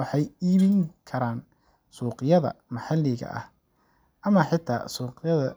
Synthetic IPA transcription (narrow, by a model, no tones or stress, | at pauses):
wɑħɑjiːβɪŋkʰɐɾaːn | suːqɪjɐðɐ̰mɐħɑlːɪɣɐ̰ʔɐ̰h | ʔɐmɐħɪt̪ʰa̰ːsuːqjɐðɐ